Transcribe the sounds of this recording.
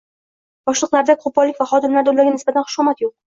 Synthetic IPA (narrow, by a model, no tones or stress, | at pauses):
b̥ɒʃlˠɨqlˠaɾd̪akʰʊbɒlːɪkʲvaχɒd̪ɪmlaɾd̪olːaɾɡʲanɪsbat̪ʰanχʊ̥ʃɔmat̪joq̚